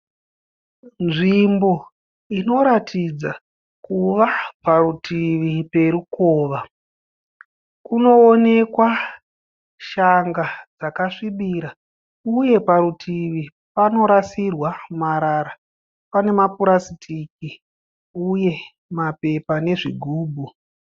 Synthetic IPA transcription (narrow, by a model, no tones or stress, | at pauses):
nʐimbo̞ | ino̞ɾatʰid͡za | kuʋapaɾutʰiʋipe̞ɾukoːʋa | kuno̞ːne̞kwa | ʃaŋɡad͡zakaʂiɓiɾa | uje̞paɾutʰiʋi | pano̞ɾasirwamaɾaɾa | pane̞mapuɾasitʰik̚i | uje̞ | mape̞pane̞ʐiɡʱuːbʱu